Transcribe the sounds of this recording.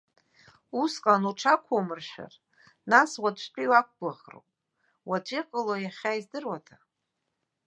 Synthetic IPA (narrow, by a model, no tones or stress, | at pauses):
usqʼanuʈ͡ʂʰakʷʰomɨrʃᶣa̰r | naswat͡ʃʷʰt͡ʃʷʼiwak̚ʷʰɡaʁro̰wpʼ | wat͡ʃʷʼeqʼəlojaχʲaizdɨrwatʰa